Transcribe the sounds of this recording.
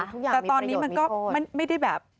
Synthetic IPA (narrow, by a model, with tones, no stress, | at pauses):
ɛː˨˩t̪ɔː˧nːiː˦˥ma˧nkɔː˥˩ma˥˩ma˥˩jda˥˩jbɛː˨˩p̚